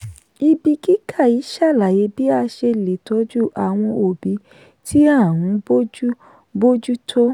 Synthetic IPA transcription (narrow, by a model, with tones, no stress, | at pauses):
i˧bi˧ki˦kʰa˦˨i˨˦ʃa˦˨la˨je˨˧˦bi˦a˧ʃe˧le˨to˨˦d͡ʒu˦ʔa˨w̃ɔ̃˧o˨bi˨˦ | tʰi˦a˦˨ɾ̃ũ˨˦bo˦d͡ʒu˦ | bo˦d͡ʒu˦tʰo˦